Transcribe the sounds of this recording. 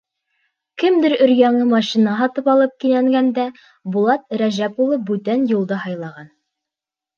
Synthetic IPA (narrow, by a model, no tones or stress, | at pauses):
kɘmd̪ɘɾɵ̆ɾjæŋɤmɑʃinɑɦɑt̪ɤpɑlˠɤp̚kinæŋɡænd̪æ | bulˠɑt̪ɾæʒæpulˠɤp̚bʉt̪ænjulˠd̪ɤɦɑjlˠɑʁɑn